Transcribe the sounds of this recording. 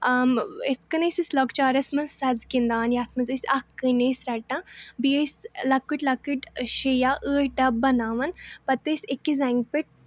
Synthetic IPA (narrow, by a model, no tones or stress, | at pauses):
amet̪ʰkɐnesislokt͡ʃaːɾɐsmɐsɐzkind̪aːnjaːt̪ʰmɐzɨsʲɐkːɨneːsɾɐʈːãbiəslɐkːɨʈʲlɐkːɨʈʲʃejaːʔəːɖɐbɐnaːʋɐnpɐt̪esʲekːizɛŋɡ̚piʈ̚